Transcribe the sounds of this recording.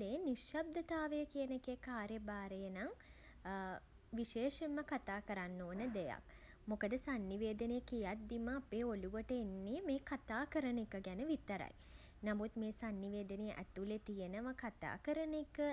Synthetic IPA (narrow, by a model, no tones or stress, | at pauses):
eniʃjab̚d̪ət̪aːʋəjəkiənekekaːɾjəbaːɾejənaŋ | ʋiʃeːʃeməkat̪aːkəɾanːoːnəd̪eja̰k | mokəd̪əsanːiʋeːd̪ənəjəkijat̪̚d̪iməapeːoluʋəʈəenːemeːkat̪aːkəɾənekəɡænəʋit̪əɾa̰j | namut̪meːsanːiʋeːd̪ənəjəʔæ̰t̪ulet̪ijənəʋakat̪a̰ːkəɾənekə